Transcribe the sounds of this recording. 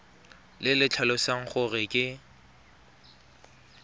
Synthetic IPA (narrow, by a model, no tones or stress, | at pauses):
lɪlɪt͡ɬʰalʊsaŋ̩χʊrɪkʼɪ